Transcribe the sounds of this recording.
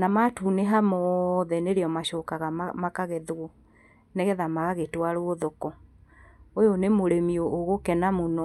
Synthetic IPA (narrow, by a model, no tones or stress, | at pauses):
namatuneɦamɔðɛneɾeɔmaɕɔkaɣamakaɣɛðoɔ | nɛɣɛðamaɣaɣetwaɾooðokɔ | ojonemoɾemioʔːɣokɛnamonɔ